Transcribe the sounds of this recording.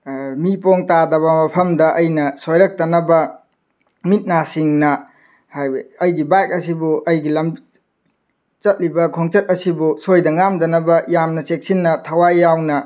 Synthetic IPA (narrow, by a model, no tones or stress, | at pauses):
mipoŋtadɐbɐmɐpʰɐmdɐʔɐjnɐsojɾɐk̚tɐnɐbɐ | mit̚nasiŋnɐ | hajɐjɡibajk̚ɐsibuʔɐjɡilɐmbi | t͡ʃɐt̚libɐkʰoŋt͡ʃɐt̚ɐsibusojdɐŋamdɐnɐbɐjamnɐsek̚sinːɐtʰɐwajːawnɐ